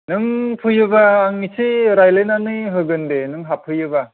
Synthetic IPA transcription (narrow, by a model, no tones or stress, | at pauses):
nɯŋpʰɯjɯbaːŋːisʰiɾajlenanɯɦɯɡɯndenɯŋɦapʰɯjɯba